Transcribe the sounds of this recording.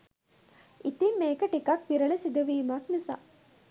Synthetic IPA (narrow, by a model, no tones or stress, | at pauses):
it̪imːeːkəʈikɐk̚ʋiɾɐlesid̪uʋiːmaknisa̰